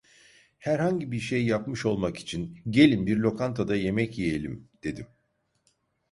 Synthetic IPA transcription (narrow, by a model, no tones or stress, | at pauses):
hæɾhaɲɟibiɾʃejːjapmɯʃo̞lˠmaki̥t͡ʃʰinɟe̞lʲimbiɾlʲo̞kʰant̪ʰad̪aje̞mɛcjije̞lʲḭmd̪̥e̞d̪im